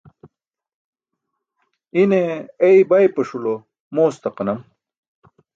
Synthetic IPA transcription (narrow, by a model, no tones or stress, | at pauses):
ineeibɐjpɐʂulo | moːst̪ɐqɐnɐm